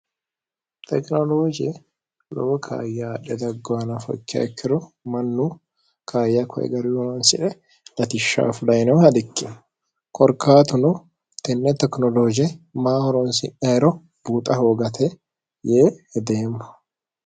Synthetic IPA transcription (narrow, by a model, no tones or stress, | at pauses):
t̪ʰɛknɔloːd͡ʒɪ | lɔ̰bɔkʰa̰ːjːaːᶑɛd̪ɐɡːɔɐnɐfɔ̰kːɐ̰ɛkʰːɪɾʊmɐnːuː | kʰaːjːɐkʰɔ̰ʔɛ̰ɡɐɾjɔmɐnsɪᶑɛ | lɐt̪ɪʃːa̰ːfʊlɐjnɛwhɐd̪ɪkːɪ | kʰɔɾkʰaːt̪ʊnʊ | t̪ɛnːɛt̪ɛknɔloːd͡ʒɛmaːhɔɾɔnsɪnɐɾɔ | b̥uːt̪ʼɐho̞ːɡɐt̪ʰɛ | jeːhɛd̪eːmːʊ̥